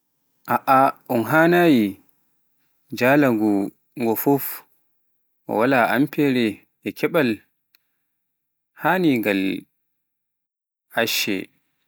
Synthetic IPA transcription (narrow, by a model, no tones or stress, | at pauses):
ʔaʔaʔunɦaːnaji | d͡ʒaːlaŋɡu | ŋɡɔfof | ɔ̰walaampʰɛɾɛ | ɛkʰɛɓal | haniŋɡal | ʔaʃːɛ̰